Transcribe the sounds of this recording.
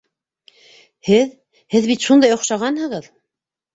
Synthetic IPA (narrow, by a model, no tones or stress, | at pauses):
hɘð | hɘðβit̪ʃund̪ɑjŏχʃɑʁɑnhɤ̆ʁɤð